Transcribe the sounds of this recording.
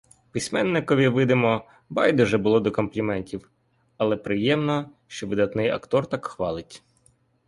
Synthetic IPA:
pɪsʲmɛnːɪkɔʋʲiʋɪd̪ɪmɔ | bɑjd̪ɔʒɛbʊlˠɔd̪ɔkɔmplʲimɛnʲtʲiw | ɐlˠɛpɾɪjɛmnɔ | ʃt͡ʃɔʋɪd̪ɐt̪nɪjɐ̰kt̪ɔrt̪ɑkxʋɑlˠɪtʲ

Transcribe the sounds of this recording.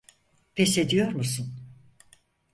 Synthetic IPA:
pʰesed̪ijo̞ɾmusun

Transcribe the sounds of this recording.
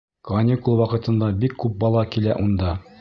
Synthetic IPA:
konʲikulˠwɑqɤ̆t̪ɤ̆nd̪ɑbikːʉp̚bɑlˠɑkilæʔund̪ɑ

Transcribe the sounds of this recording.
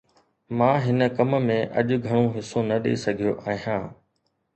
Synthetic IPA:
mãːɦɪnə̆kɐmmẽːʔɐ̰ʄʊɡʱɐɽ̃õɦɪsonɐɗḛːsɐɡʱijoʔaːɦijãː

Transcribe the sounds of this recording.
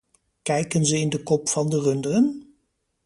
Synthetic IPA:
kɛjkənzəɪndəkɔpfɑndərɵndəən

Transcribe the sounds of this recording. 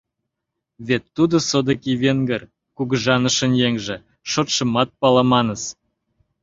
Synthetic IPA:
βet̪ːud̪osod̪əkiβeŋɡər | kuɣəʒɑnəʃə̆njeŋʒĕ | ʃot̪ʃə̆mɑt̪̚pɑlɑmɑnəs

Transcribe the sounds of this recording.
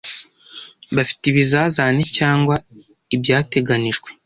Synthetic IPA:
βafi̥tiβizaːzaːnecaːŋɡwa | ibjaːte̞ɡaniʒɡwe̞

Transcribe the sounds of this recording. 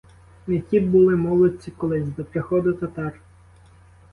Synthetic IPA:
netʲibʊlˠɪmɔlˠɔt͡sʲikɔlˠɪzʲd̪ɔpɾɪxɔd̪ʊt̪ɐt̪ɑr

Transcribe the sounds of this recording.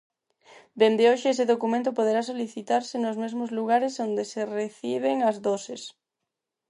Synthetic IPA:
b̪end̪eoʃeeseðokumẽnt̪opoð̞eɾasoliθit̪aɾsɪnozmezmozluɣ̞aɾesond̪esereθiβ̞eŋɐzðoses

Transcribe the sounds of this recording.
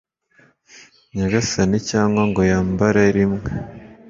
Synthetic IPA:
ɲaɡasanicaːŋɡwaŋɡo̞jaːmbaɾaɾimŋe

